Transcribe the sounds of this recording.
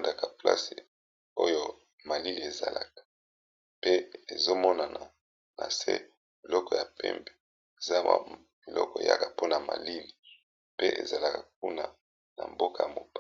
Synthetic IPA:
nda˨ka˨pla̰˦se˨ | o˦jo˦ | ma˨li˦li˨e˨za˨la˨kḁ˨ | pe˦e˨zo˦mɔ˦na˨na˨ | na̰˨sḛ˦ | bi˨lɔ˦kɔ˨ja˨pɛ̰˦mbe˨ | e˨za˦a̰˨ | bi˨lɔ˦kɔ˨ḛ˨ja̰˦ka˨po˦na˨ma̰˨li˦li˨ | pe˦ʔḛ˨za˨la˨ka˨k̚u˦na˨ | na̰˨mbo˦ka˨ja˨mo˨p

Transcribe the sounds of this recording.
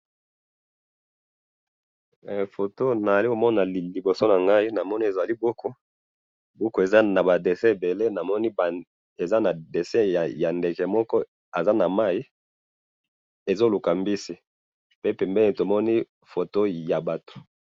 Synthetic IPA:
fo˨to˦na˨a˨li˦ko˨mɔ˦na˨li˨bo˨so˦na˨ŋɡa˦i˦na˨mɔ˦ni˦e˨za˨li˦bo˦kʰo˦ | bɔ˦ko˨e˨za˦na˨ba˨de˨sɛ̃˦e˨be˨le˦na˨mɔ˦ni˦b | e˨za˦na˨de˨sɛ̃˦˨ja˨nde˨ke˨mɔ˦kɔ˦ | a˨za˦na˨ma˦i˦ | e˨zo˦lu˨ka˨mbi˦si˦ | pe˦pɛ˨mbɛ˦li˨to˨mɔ˦ni˦ | fo˨to˦ja˨ba˨to̥˨

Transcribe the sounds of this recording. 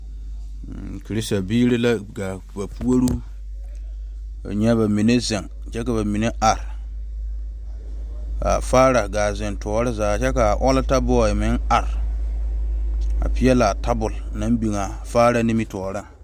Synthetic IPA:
kɾi˦sta˨biː˦ɾɪ˦la˦ɡa˨ | ba˨pu˦o˦ɾu˦˨ | ɲɛ˦βa˨mi˨ne˦zɪ˨ŋ | t͡ʃɛ˦ka˨βa˨mi˨ne˦ʔa˨ɾ | a̰˨faː˦ɾa˨ɡaː˨zɪ˨ntɔː˨ɾɪ˦zaː˨t͡ʃɛ˦ka˨ʔɔ˦la˦ta˦bɔ˦˨ɪ˨mɪ˦ŋa˨ɾ | a̰˨pɪ˦jɛ˦la˨ta˦bʊ˨lna˦m˦bi˨ŋa˨ | faː˦ɾa˦nɪ˦mi˦tɔː˨ɾa˦˨ŋ

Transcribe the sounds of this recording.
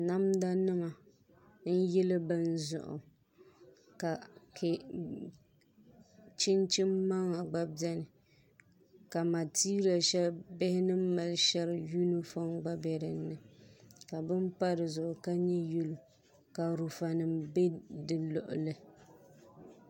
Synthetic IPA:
na˦mda˦nɨ˦ma˨ | n̩˦jɛ˦lɨ˦bɨ˦n̩˦zʊ̰˨ʔʊ̰˨ | ka˨kʰɪ˨ | t͡ʃɪ˦nt͡ʃɪ˦mːa˦ŋa˨ɡ͡ba˦bɛ˦nɨ˨ | ka˨ma˨tiː˦ɾi˨a˨ʃɛ˦lbɪ˦hɪ˦nɨ˦m̩˦ma˨lʃɛ˦lɨ˨ju˦nɨ˦fɔ˦ŋɡ͡ba˦bɛ˨ɾɨ˨nːɨ˨ka˨bɨ˦m˦pa˦ɾɨ˨zʊ˨ʔʊ˨ka˦ɲɛ˦ju˦lu˨ | ka˨ɾu˨fa˨nɨ˨mbe˦dɨ˨lɔ˨ʔʊ̰˨lɨ˦

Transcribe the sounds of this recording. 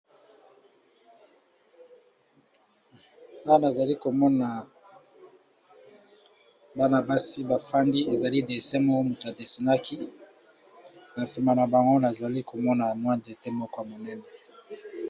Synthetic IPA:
a˦wa˦na˨za˨li˦ko˨mɔ˦na˨ | ba˦na˨ba˦si˦ba˨fa˦ndi˦e˨za˨li˦de˨sɛ˦mɔ˦o˦mo˨to˨a˨de˨si˨na˦kʰi˦ | na˨si˨ma˨na˨ba˨ŋɡo˦na˨za˨li˦ko˨mɔ˦na˨mwa˦nzi˨e˨te˦mɔ˦kɔ˦a˨mo˨nɛ˦nɛ˨

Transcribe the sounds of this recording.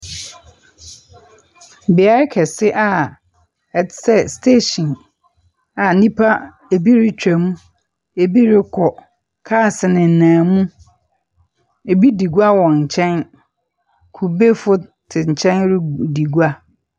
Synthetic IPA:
bi˨a˦ɾɪ˦kʰɛ˨sɪ˦ʔa˨ | ɛ˨˦sɛ˦˨stʰeː˦ɕĩ˨n | a˨˦nĩ˦pʰa˦ | e˨bi˦ɾɪ˦t͡ɕᶣɛ˨mũ˦ | e˨bi˦ɾɪ˦kʰɔ˨ | kʰaː˦˨sɪ˨nɪ̃˨n̩˨nãː˨mũ˦ | e˨bi˦di˨ɡu˦a˦wɔ̃˨ɲ̩˨t͡ɕʰɛ̃˦n | kʰu˨be˦fʊ˦tʰɪ˨ɲ̩˨t͡ɕʰɛ̃˦nɾɪ˦di˨ɡu˦a˦

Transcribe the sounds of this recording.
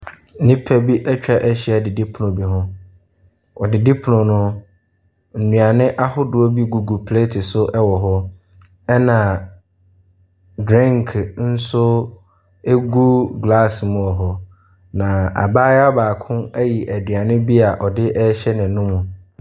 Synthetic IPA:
nɪ̃˦pʰæ˦bi˦ʔɛ˦t͡ɕᶣa˦ʔæ˦ɕi˦a˨dɪ˨di˦pʰʊ˨nʊ̃˨bi˨ɦʊ̃˦ | ɔ˨dɪ˨di˦pʰʊ˨nʊ̃˨nʊ̃˦ | n̩˨nũ˨a˨nɪ̃˦ʔa˦hʊ˦dʊ˨o˦bi˦ɡu˨ɡu˨pʰle˦tʰɪ˨sʊ˦ʔɛ˦wɔ˨ɦɔ˦ | ɛ˦nã˨ | dɾã˦ŋkʰn̩˦sʊ˦ | e˦ɡu˦ɡla˦˨smʊ̃˨ɔ˨ɦɔ˨ | nã˨a̰˨baː˦ja˦baː˨kʰʊ̃˦æ˦ji˨ʔæ˨dɥa˨nɪ̃˦bi˦a˨ʔɔ˨dɪ˦ʔɛ˦ɕɛ˦nɪ̃˨nʊ̃˦mũ˨

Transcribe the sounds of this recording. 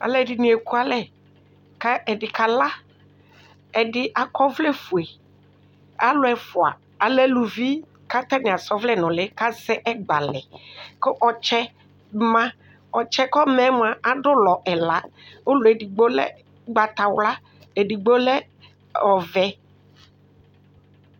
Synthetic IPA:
a̰˨lɛ˦˨dɪ˨nĩ˨˦e˨ku˦a˨lɛ˦ | ka˦ɛ˨dɪ˨ka˨la˦ | ɛ˨dɪ˦ʔa˨kɔ˦vlɛ˦fu˨e˨ | a˦lʊ˦ɛ˨fʊ˨a̰˨ | a˨lɛ˦lu˨vi˦ | ka˦t̪a˦nɪ˨a˨sɔ˦vlɛ˦˨nɔ̃˨lɛ˦ka˦sɛ˦ʔɛ˦ɡ͡ba˨lɛ˨kɔ˦ʔɔ˨t͡ʃɛ˦ | mã˦ | ɔ˨t͡ʃɛ˦kɔ˦mɛ̃˦m˦a˨ʔa˨ɖʊ˦lɔ˨ʔɛ˨la˦o˦lʊ˨e˨di˨ɡ͡bo˦lɛ̰˦ | ɡ͡ba˨t̪a˨wla˦ | e˨di˨ɡ͡bo˦lɛ˦ | ɔ˨vɛ˦

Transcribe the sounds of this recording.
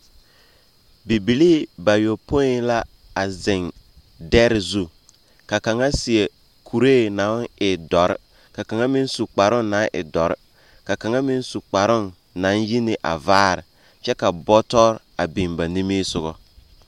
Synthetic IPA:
bi˨bi˨liː˦˨ba˨jo˨po˦i˦ŋ˦la˦ | a˨zɪ˨ŋ | dɛ˦ɾɪ˨zu˦ | ka˨ka˨ŋa˦sɪ˨e˨ | kʰu˨ɾeː˦˨nã˨˦ɪ˨dɔ˨ɾ̰ | ka˨ka˨ŋa˦mɪ˦n˦su˨k͡pa˨ɾʊ˦nna˨˦nʔɪ̰˨dɔ˨ɾɪ˦ | ka˨ka˨ŋa˦mɪ˦n˦su˨k͡pa˨ɾʊ˦˨nː | ã˨˦nji˦nɪ˨ʔa̰˨vaː˦ɾɪ˨ | t͡ʃɛ˦ka˨bɔ˦tɔ˦ɾ | a˨bi˨mba˨ni˦miː˦sʊ˦ɣɔ˦

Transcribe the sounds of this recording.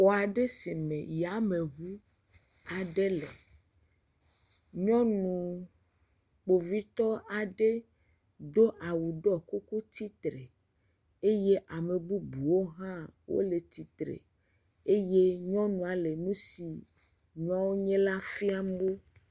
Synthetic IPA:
wo˨a˨ɖe˦si˨mḛ̃˨ja˨me˨ɦu˦ | a˨ɖe˦lḛ˨ | ɲɔ̃˦nũ˨ | k͡po˨vi˦t̪ɔ˦a˨ɖe˦ | d̪o˦ʔa˨wu˨ɖɔ˦ku˦ku˦t̪i˦t̪ɾe˨ | e˦je˦ʔa˨me˨bu˦bu˨wo˦ɦã˦wʔo̰˦le˨t̪i˨t̪ɾḛ˨ | e˦je˦ɲɔ̃˦nũ˨a˨le˨nũ˦si˨ | ɲɔ̃˦wo˦ɲẽ˦la˦fi˦a˦m˦o˦

